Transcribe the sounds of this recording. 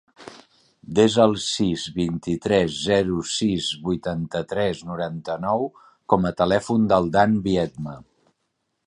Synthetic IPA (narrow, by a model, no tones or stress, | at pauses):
d̪ezəlˠsizβint̪it̪ɾɛzːɛɾusizβujt̪ant̪ət̪ɾɛznuɾant̪ənɔw | kɔmət̪əlɛfund̪əlˠd̪anbiɛd̪mə